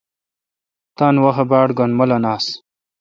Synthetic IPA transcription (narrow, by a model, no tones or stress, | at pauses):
t̪aːnwɐɦɐbaːɽɡonmɐlɐnaːs